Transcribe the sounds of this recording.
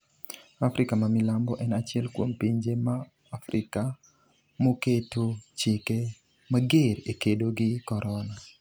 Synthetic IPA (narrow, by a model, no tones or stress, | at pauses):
afɾɪkamamɪlambɔʔɛnat͡ʃɪɛlkwompiɲd͡ʒemaː | fɾɪka | moketʰot͡ʃɪke | maɡeɾekedoɡɪkɔɾɔna